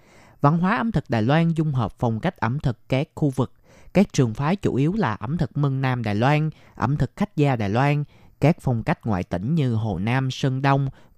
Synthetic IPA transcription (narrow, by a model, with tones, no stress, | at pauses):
va̰˧˨nɦwaː˨˦ʔə˨˦mt̪ʰɨ˨˩k̚ɗaː˨˩jlwaː˧nzʊ˧ŋ͡mɦəː˨˩p̚fa˨˩wŋ͡mka˦˥jk̚ʔə˧˩mt̪ʰɨ˨˩kːaː˦˥k̚xu˧vɨ˨˩k̚ | kaː˦˥k̚t͡ɕɨ˨˩əŋfaː˨˦t͡ɕṵ˧˦ʔi˨˦əwlaː˨˩ʔə˨˩˦mt̪ʰɨ˨˩k̚mə˧ŋnaː˧mɗa̰ː˨˩jlwaː˧n | ʔə̰˧˩mt̪ʰɨ˨˩k̚xa˦˥jk̟̚zaː˧ɗa̰ː˨˩jlwaː˧nkaː˦˥k̚fa˨˩wŋ͡mka˦˥jk̟̚ŋwa̰ː˧˨jt̪ï˧˩ŋ̟ɲɨ˧ɦo̰˨˩naː˧msə˧nɗə˧wŋ͡m